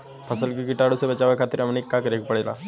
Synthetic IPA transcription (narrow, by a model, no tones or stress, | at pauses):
pʰəsəlkikiʈaɽusebɐt͡ʃaʋakʰaːt̪ɾamənekːakɾekupəɽela̰